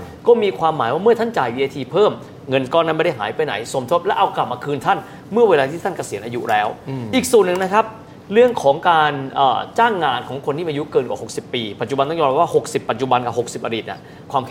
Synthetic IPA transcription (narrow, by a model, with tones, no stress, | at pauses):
kɔː˥˩miː˧kʰwaː˧mːaː˩˦jwaː˥˩mɯ˥˩ɐt̪ʰa˥˩nt͡ɕaː˨˩jwiː˧ʔeː˧t̪ʰiː˧pʰɤː˥˩m | ŋɤ˧nkɔː˧˩na˧˥˩m˥˩da˥˩jɦaː˩˦jpa˧jna̰˩˦jso˩˦mt̪ʰo˦˥t̪̚lɛ˦˥ʔa˧wkla˨˩p̚maː˧kʰɯː˧nt̪ʰa˥˩n | mɯ˥˩ɐweː˧laː˧t̪ʰiː˥˩t̪a˥˩nka˧si˨˩˦ənʔaː˧jṵ˦˥lɛː˦˥wʔiː˨˩k̚su˨˩ənːɯ˨˩ŋna˦˥kʰa˦˥p̚ | ɾɯ˥˩əŋkʰɔː˩˦ŋkaː˧nʔə̰ː˨˩t͡ɕaː˥˩ŋːaː˧nkʰɔː˩˦ŋkʰo˧nːʰiː˥˩ʔaː˧ju˦˥kɤː˧nkwa̰˨˩ho˨˩k̚si˨˩pːiː˧pa˨˩t̪̚t͡ɕu˨˩a˧nt̪a˥˩jɔː˧ɾa˦˩waː˥˩ho˨˩k̚si˨˩pːa˨˩t̪̚t͡ɕu˨˩ba˧nka˨˩ho˨˩k̚si˨˩p̚ʔa̰˧diː˨˩t̪ʔa̰˨˩ | kʰwaː˧mkʰ